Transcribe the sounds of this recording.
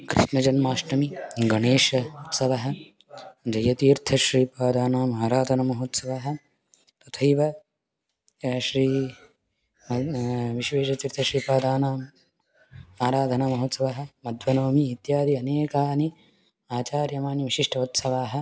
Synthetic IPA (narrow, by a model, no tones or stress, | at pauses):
kɾḭʂnɐd͡ʒɐnmaːʃʈɐmiɡɐɳeːʂɐut̪sɐʋɐɦɐ̆ | d͡ʒɐjɐt̪iːɾt̪ʰɐʃɾiːpaːd̪ʱaːnaːmaːɾaːd̪ʱɐnɐmɐɦot̪sɐʋaɦɐ̆ | t̪ɐt̪ʰɐjʋɐ | ʃɾiː | ʋiʃʋeːʃɐt̪iːɾt̪ʰɐʃɾiːpaːd̪aːnaːm | aːɾaːd̪ʱɐnɐmɐɦot̪sɐʋɐɦɐ̆mɐd̪ʱʋɐnoːmiːt̪jaːd̪ʱiɐneːkaːni | aːt͡ʃaːɾjɐmaːniʋiʃiʂʈʰɐut̪sɐʋaːɦɐ̆